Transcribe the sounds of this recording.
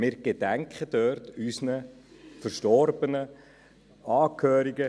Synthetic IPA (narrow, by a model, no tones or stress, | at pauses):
mɪːɾɡ̥edæŋkχədøɾtysnəfəɾʃtɔɾb̥ənə | ɑːkʰhøːɾiɡə